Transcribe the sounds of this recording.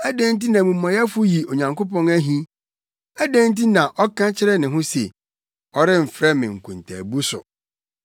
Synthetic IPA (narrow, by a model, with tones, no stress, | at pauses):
æ˦dæ̃˦n˦t̬i˦nã˨mũ˨mɔ̃˨jɛ˦fʊ˦ji˨o˨ɲã˨ŋko˦pɔ̃˦næ˦ɦĩ˦ | æ˦dæ̃˦n˦ti˦nã˨ʔɔ˦kʰã˦t͡ɕʰɪ˦ɾɛ˦nɪ̃˨ɦʊ̃˦se˨ | ɔ˦ɾɪ˦m̩˨fɾɛ˦mɪ̃˨ŋ̩˨kʰũ˨ntʰæ̰˨bu˦sʊ˨